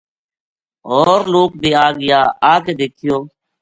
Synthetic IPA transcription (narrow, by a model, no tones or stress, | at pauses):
oːɾloːk̚bʱiːaːɡɪjaːaːkeːd̪eːkʰɪjoː